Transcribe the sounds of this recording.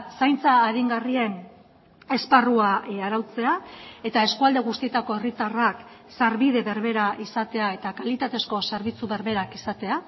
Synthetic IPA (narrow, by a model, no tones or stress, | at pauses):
sajnt͡saːɣiŋɡarie̞n | e̞sparuaaɾawt͡se̞ae̞t̪ae̞skuald̪e̞ɣust̪ie̞t̪ako̞erit̪arak | saɾβiðe̞βe̞ɾβe̞ɾaʔisat̪e̞ae̞t̪akalit̪at̪e̞sko̞se̞ɾβit͡suβe̞ɾβe̞ɾakisat̪e̞a